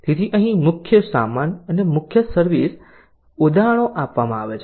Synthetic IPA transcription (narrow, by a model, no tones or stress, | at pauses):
t̪et̪ʰiʔə̃ɦĩmʊkʰjəsa̰manənemʊkʰjəsəɾʋis | ʊd̪aɽ̃õʔapʋamãaʋet͡ʃʰ